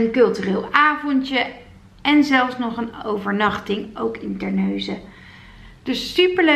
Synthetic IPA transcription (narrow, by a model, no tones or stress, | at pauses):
ənkɵlˠtyreːlˠaːvɔntjə | ɛnzɛlˠfsnɔχənowvəɹnɑχtɪŋowkɪntɛɹnøɥzə | d̥ɵsːypəɹlø